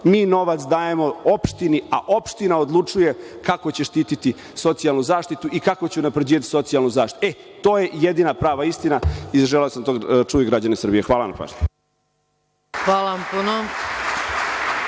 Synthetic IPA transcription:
miːno̞ʋat̪sd̪aːje̞mo̞o̞pʃt̪iniaʔo̞pʃt̪inao̞d̪lˠut͡ʂuje̞kako̞t͡ɕe̞ʃt̪iːt̪it̪i | so̞t̪sialˠnuzaːʃt̪it̪uʔikako̞t͡ɕeunapɾed͡ʑiːʋat̪i̥so̞t̪sialnuzaːʃt̪iet̪o̞ːje̞jed̪inapɾaːʋaist̪inaizaʒeleosamt̪ot͡ʂuːʋiɡɾad͡ʑanesɾrbijexʋaːlana̰pa̰ʒ | xʋaːlampuno

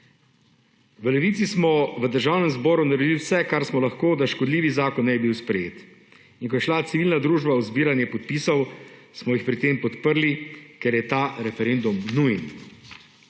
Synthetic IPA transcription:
ʋəlɛʋiːt̪sismɔʋəd̪əɾʒawnɛmzbɔːɾunaɾɛd̪iliwsɛkaɾsmɔlaxkoːd̪aʃkɔd̪liːʋizaːkɔnːɛibiwspɾɛjeːt̪ | inkɔjɛʃlat̪siʋiːlnad̪ɾuːʒbauzbiːɾanjɛpɔt̪̚piːsɔwsmɔjixpɾit̪ːeːmpɔt̪pəɾlikɛɾjɛt̪aːɾɛfɛɾend̪umnujn

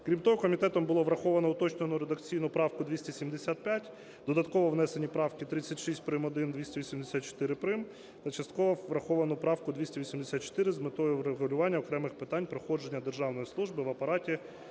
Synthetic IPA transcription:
kɾʲimt̪ɔɦɔkɔmʲit̪ɛt̪ɔmbʊlˠɔʋɾɐxɔʋɐnɔʊt̪ɔt͡ʃnenʊɾed̪ɐkt͡sʲijnʊpɾɑwkʊd̪ʋʲisʲtʲisʲimd̪esʲat̪̚pʲjatʲ | d̪ɔd̪ɐt̪̚kɔʋɔʋnɛse̞nʲipɾɑwkɪt̪ɾɪt͡sʲːɐtʲʃisʲt̚ʲpɾɪmɔd̪ɪnd̪ʋʲisʲtʲeʋʲisʲimd̪esʲat̪̚t͡ʃo̥t̪ɪɾɪpɾɪm | t̪ɐt͡ʃɐst̪̚kɔʋɔʋɾɐxɔʋɐnʊpɾɑwkʊd̪ʋʲisʲtʲiʋʲisʲimd̪esʲat̪t͡ʃo̥t̪ɪɾɪzmɪt̪ɔjʊɾeɦʊlʲʊʋɑnʲːɐɔkɾɛmɪxpɪt̪ɑnʲpɾɔxɔd͡ʒe̞nʲːɐd̪erʒɑwnɔjislˠuʒbɪʋɐpɐɾɑtʲi

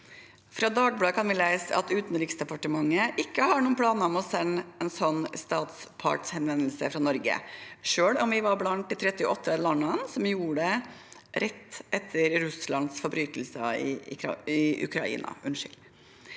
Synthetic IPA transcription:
fɾɑːd̪ɑːɡblɑːkʰɑnʋɪlæɪsəɑt̪ʉːt̪nɾɪːksd̪ɛpɑʈəmɑŋːəʔɪkːəhɑɳuːənpʰlɑːnəmɔsɛnːɛnsɔnːst̪ɑːt̪s | pʰɑ̰ʈshɛnʋɛnlsə̰fɾɑnɔɾɡə̰ʂøːɭɔmʋɪʋɑɾblɑnt̪̚ɪt̪ʰɾɛt̪ːɪʔɔt̪ʰːəlɑnːənsɔmjuːəɖɛ | ɾɛt̪ːʔɛt̪ʰːəɾɾʉslɑnsfɔbɾyːt̪əl̩sə̰ɪ̰ɪʔʉ̰kʰɾɑ̰ḭːnɑ̰ʉnʂɪ̰l

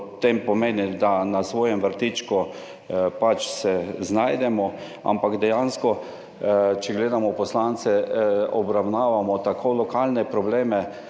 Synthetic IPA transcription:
t̪ːempɔmeːnid̪anasʋoːjɛmʋəɾt̪it͡ʃku | pat͡ʃsɛznajd̪ɛmɔ | a̰mpaɡd̪ɛjanskɔ | t͡ʃɛɡleːd̪amɔpɔslant̪sɛɔbɾawnaːʋamɔt̪akʰolɔkalnɛpɾɔbleːmɛ

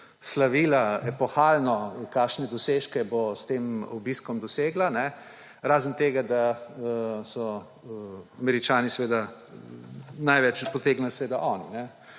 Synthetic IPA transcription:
slaʋiːlaɛpɔxaːlnɔkaːʃnɛd̪ɔseːʃkɛbost̪emɔ̰biskɔmd̪ɔseːɡlanɛ | ɾaːzənt̪eːɡad̪a | sɔ | amɛɾit͡ʃaːnisʋeːd̪a | najʋɛt͡ʃpɔt̪eːɡnalsʋeːd̪aʔɔːnḭnɛ

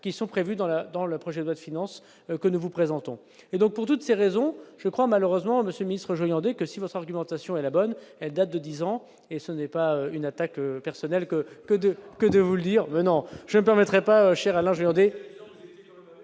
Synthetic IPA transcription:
kʲisɔ̃pχevyd̪ɑ̃lad̪ɑ̃ləpχɔʒɛd̪wad̪əfinɑ̃s | kənuvupχezɑ̃t̪ɔ̃ | ed̪ɔ̃k̚puʁt̪ut̪seʁezɔ̃ʒ̥əkχwamaløʁøzmɑ̃məsjøləminist̪χəʒɔjɑ̃d̪ekəsivɔt̪χaʁɡymɑ̃t̪asjɔ̃ɛlabɔnɛld̪at̪̚d̪əd̪izɑ̃ | esənɛpaøynat̪akøpɛʁsɔnɛlkəkəd̪əkəd̪əvuləd̪iʁmɛnɔ̃ʒ̥ənəpɛʁmɛt̪χɛpaøʃɛʁalɛ̃ʒɔjɑ̃d̪e

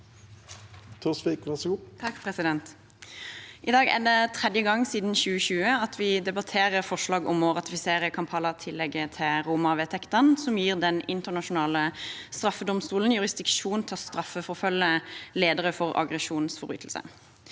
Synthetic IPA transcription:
t̪ʰusʋikʋæsɡut̪ʰɑkːpʰʁɛsɪd̪ɛnt̪ | ʔɪd̪ɑːɡæ̰d̪ɛt̪ʰʁɛd̪jəɡɑŋːsiːd̪nçʉːəçʉːəɑt̪ʰʋɪd̪ɛbɑt̪ʰeːʁəʁfɔʂlɑːɡɔmɔʁɑt̪ɪfɪseːʁəkʰɑmpʰɑːləʁt̪ʰɪlːɛɡət̪ʰɪlʁuːmɑʋeːt̪ʰɛkt̪ɑnsɔmjiːʁd̪ɛnɪnt̪əʁnɑʃʊnɑːləst̪ʁɑfːəd̪ɔmst̪uːln̩jʉʁɪsd̪ɪkʂuːnt̪ʰɪlɔst̪ɾɑfːəfɔʁfœlːəleːd̪əʁəfɔʁɑ̰ɡʁɛʂuːnsfɔʁby̰ːt̪ʰl̩sə̰

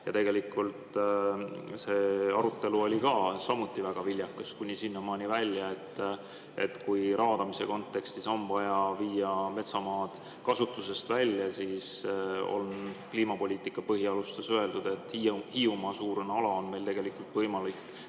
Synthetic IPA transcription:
jɑt̪e̞ɡe̞likːˑult̪ | se̞ːɑɾut̪ːˑe̞luo̞lʲikɑːsɑmut̪ːˑivæɡ̥ɑvilʲjɑkːˑɑskunʲisinːɑmɑːnʲivælʲjɑe̞t̪ː | ḛt̪ːkujɾɑːd̪̥ɑmise̞̰ko̞nt̪ːˑe̞kst̪iso̞nvɑjɑviːjɑme̞t̪sɑmɑːd̪̥ | kɑsut̪ːˑuse̞st̪vælʲjɑsiːso̰lnkliːmɑpo̞lʲiːt̪ˑikːˑɑpɤɦiɑlust̪esøe̞ld̪ud̪̥e̞t̪ːˑhiumɑsuːɾneɑlɑo̞nme̞jlt̪e̞ɡe̞likːult̪vɤjmɑlikː

